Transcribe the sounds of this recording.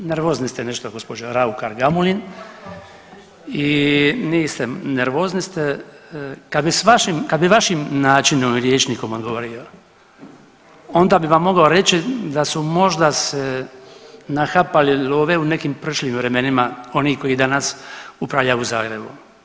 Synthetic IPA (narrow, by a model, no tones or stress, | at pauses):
neɾʋo̞ːznist̪eneʃt̪oɡo̞spod͡ʒoɾaukaɾɡamulin | iniːst̪eneɾʋoːznist̪e | kad̪bisʋaʃimkad̪biʋaʃimnaːt͡ʃinomɾjeːt͡ʃniko̞moɡoʋoɾio̞ | o̞nd̪abiʋamːo̞ɡaoɾe̞t͡ʃid̪asumo̞ʒd̪ase | naxapaliloːʋeunekimpɾ̩ʃʎiːmʋɾe̞me̞nimao̞niko̞jid̪anasupɾaʋʎajuzaːɡɾe̞bṵ